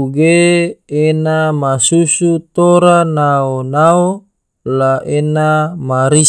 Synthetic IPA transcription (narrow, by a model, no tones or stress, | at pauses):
uɡeenamasusut̪oɾanaonao | laʔenamaɾi